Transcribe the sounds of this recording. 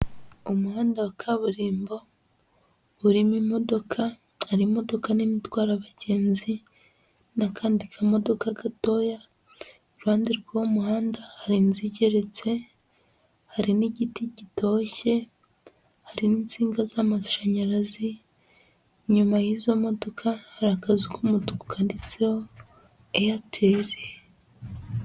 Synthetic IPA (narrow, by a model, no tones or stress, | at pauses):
umuhaːndawakʰaβuɾiːmbo̞ | βuɾimimo̞do̞kʰa | haɾimo̞do̞kaninitwaːɾaβaɟe̞ːnzi | nakʰaːndikʰamo̞do̞kaɡato̞ja | ɾuhaːndiɾɡawomuhaːndahaɾinziɟe̞ɾe̞t͡se̞ | haɾiniɟitiɟito̞ːçe̞ | haɾiniːnt͡siːŋɡazamaʃaɲaɾazi | ɲumajiːzo̞mo̞do̞kʰahːɾakazukumutuku̥kʰandit͡seho | ejatʰeːɾe